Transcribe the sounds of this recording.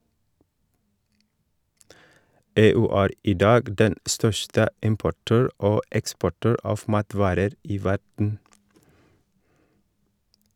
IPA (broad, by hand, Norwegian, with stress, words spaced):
ˈeːˌʉː ˈæːɾ ˈiː ˈdɑːɡ ˈdɛn ˈstœʃtə ˈɪmpʊˌʈøːɹ ˈoː ˈɛkspɔˌʈøːɹ ˈɑːf ˈmɑːˌtʋɑːɾəɾ ˈiː ˈʋæɖɳ̩